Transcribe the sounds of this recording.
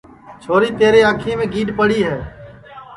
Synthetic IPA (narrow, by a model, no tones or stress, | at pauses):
t͡ʃʰoːɾiːt̪eːɾeːãːkʰĩːmẽːɡiːɖpəɽiːɦɛː